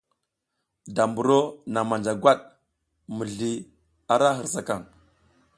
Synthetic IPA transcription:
da˨mbu˨ɾo˦na˨ma˨nd͡ʒa˨ɡʷa˦ɗ | mə˨ɮi˨ | a˨ɾa˦ɦə˨ɾsa˨ka˦˨ŋ

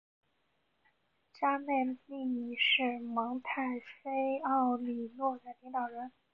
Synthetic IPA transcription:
t͡ɕja˥ne˥˩ɪli˥˩ni˨˩˦ʂɻ̩˥˩mɑ˧˥ŋt̪ʰa˥˩ɪfe˥ɪɑ˥˩ʊli˨˩lwɔ˥˩d̪ə˩li˧˥ŋt̪ɑ˨˩ʊɻə˧˥n

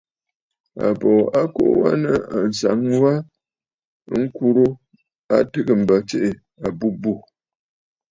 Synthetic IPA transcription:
a̰˨bɔ˨a˦ko̰˦ʔwa̰˦nə˨a˨n̩˨sa˨˦ŋ˦wa˦ | ŋ̩˦ku˦ɾo˦ | a˦tə˦ɡə˦˨m̩˨bə˨t͡ʃe˦ʔe˨ | a˨bu˦bu˦˨

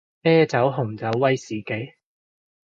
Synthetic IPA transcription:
ɛː˥t͡sɐ˨˥wɦʊ˨˩ŋt͡sɐ˨˥wːɐ˥jsiː˨ke˨˥j

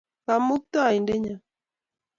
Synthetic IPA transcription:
ka˨mu˦k̚t̪ɔ˦a˨i˨nde˦ɲa˨

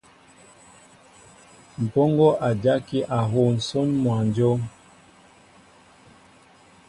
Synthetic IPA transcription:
m̩˨pɔ˦ŋɡɔ˦ʔa˨d͡ʒa˦ki˦ʔa˨ɦo˦˨n̩˨so˦nmwa˨n˨d͡ʒo˦

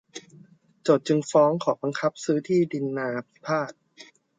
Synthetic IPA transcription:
t͡ɕoː˨˩t̪̚t͡ɕɯ˧ŋfɔː˦˥ŋkʰɔː˩ba˧ŋkʰa˦˥p̚sɯː˦˥t̪ʰiː˥˩di˧nːaː˧pʰpʰaː˥˩t̪̚

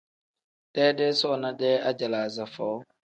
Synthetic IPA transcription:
tɛː˦dɛ˦sɔ˦˨na˦dɛː˦a˦d͡ʒa˨laː˨za˨fɔ˨˦

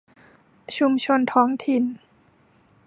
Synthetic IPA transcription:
t͡ɕʰu˧mt͡ɕʰo˧nt̪ʰɔː˦˥ŋt̪ʰi˨˩n

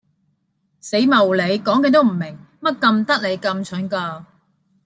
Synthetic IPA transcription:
se˨˥jmɐ˨˩wle˨˧jkɔː˨˥ŋkɐ˨˥nt̪o˥wm̩˨˩mɪ˨˩ŋ | mɐ˥t̚kɐ˧mt̪ɐ˥k̚le˨˧jkɐ˧mt͡ʃʰɵ˨˥nkaː˧

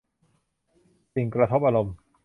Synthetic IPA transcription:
si˨˩ŋkɾa˧t̪ʰo˦˥p̚ʔa˧ɾo˧m

